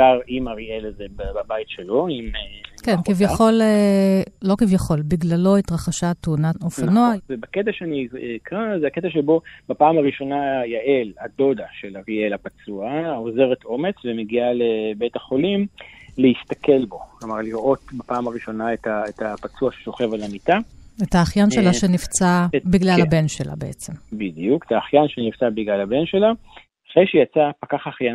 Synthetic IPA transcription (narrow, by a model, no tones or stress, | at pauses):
aʁimaʁielazebbabajitʃelo̞imekenkivjaχo̞leː | o̞kivjaχo̞lbiɡlalo̞it̪ʁaχaʃat̪ounaofanoavebaket̪̬aʃeanikʁazeaket̪aʃ̬ebo̞bapaːmaʁiʃo̞najaʔelado̞daʃelaʁielapat͡suaoze̞ʁetʔo̞me̞t͡svemeɡialebejtaχo̞limleist̪akʰe̞lbo̞klomaʁliʁʔo̞tbapaːmaʁiʃo̞naetaetapat͡suaʃe̥ʃoχe̞valamit̪aetaːχjanʃelaʃenift͡sabiɡlalabe̞nʃela̰beḛt͡sembidijuke̥taːχjanʃeniv̥t͡sabiɡlalabe̞nʃe̞la | aχʁejʃejat͡sapakaχaχja